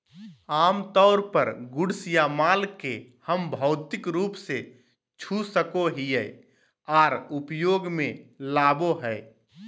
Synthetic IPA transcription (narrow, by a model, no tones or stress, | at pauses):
aːmt̪ɔːɾpəɾɡʊɽsjamaːlkehəmbʱɔʊt̪ɪkɾuːpse | t͡ʃʰusəkoɦiɛː | aːɾʊpjoːɡmẽlaːboɦɛː